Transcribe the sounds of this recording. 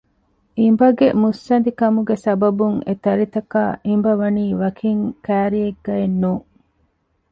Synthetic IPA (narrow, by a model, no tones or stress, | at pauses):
ʔimbɐɡemusːɐnd̪ikɐmuɡesɐbɐbuŋet̪ɐɾit̪ɐkaːʔimbɐʋɐniːʋɐkʰiŋkæːɾieɡːɐenːuː